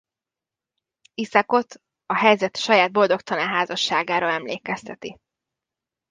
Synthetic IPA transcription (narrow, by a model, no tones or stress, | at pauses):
isɒko̞t̪ | ɒɦɛjzɛt̪ʃɒjaːd̪̚bo̞ld̪o̞kt̪ɒnaːɦaːzɒʃːaːɡaːɾolɛmleːkɛst̪ʰɛt̪i